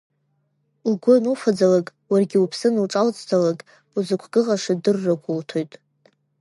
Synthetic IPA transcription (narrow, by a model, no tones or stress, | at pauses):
lɡʷonufad͡zalakʼ | warɡʲɪupʰsɨnlʈ͡ʂʼalt͡sʼtʰalakʼ | uzɨkʷʰɡ̥ɨʁʼaʂadɨrːaɡʷʼʊltʰojtʼ